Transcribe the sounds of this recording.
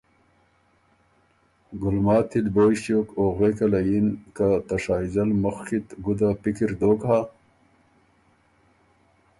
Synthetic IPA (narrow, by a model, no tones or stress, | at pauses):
ɡulmaːt̪ʰːid̪boːiɕjoːkoːɣwekɐlɐjinkat̪ɐʂaːizɐlmuxkit̪ɡud̪apikiɾd̪oːkɦa